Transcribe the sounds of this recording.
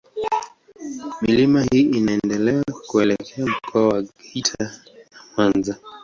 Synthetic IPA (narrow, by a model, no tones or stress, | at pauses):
milimahiːʔinaɛndɛlɛakuɛlɛkʰɛam̩kʰɔawaɡɛitʰanamanza